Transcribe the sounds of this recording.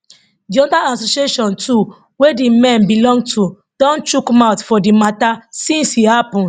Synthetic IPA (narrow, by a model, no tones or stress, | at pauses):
diɔdaasoʃieʃɔ̃ntʰu | wedimɛ̃nbilɔ̃ŋɡ̚tʰu | d̥ɔ̃ntɹukmaʊtfɔdimatasĩnshihapɔ̃nd